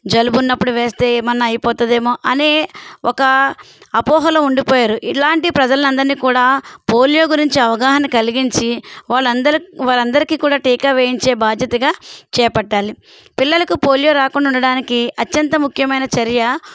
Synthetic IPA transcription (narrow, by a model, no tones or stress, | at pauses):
d͡ʒɐlubunːɐpːuɽuʋe̞ːst̪e̞ːmɐnːɐɐjipɔːt̪ɐd̪e̞ːmo̞ːʔɐneːɔkɐ | ɐpɔːɦɐlɐuɳɖipɔːjaːɾuʔilaːɳʈipɾɐd͡ʒɐlɐnɐnd̪ɐɾniːkuːɽaːpo̞ːljo̞ːɡuɾiɲt͡ʃiɐʋɐɡaːɦɐnɐkɐliɡiɲt͡ʃiʋaːɭːɐd̪ɐʋaːlɐnd̪ɐɾikiːkuːɽaːʈiːkaʋeːjiɲt͡ʃe̞ːbaːd̪ʱjɐt̪ɐɡaːt͡ʃɛːpɐɖːaːli | pilːɐlɐkupoːljo̞ːɾaːkuɳːɖauɳɖɐɽaːnikiɐtːjɐnt̪ɐmukʰjɐmɐjnɐt͡ʃɐɾjɐ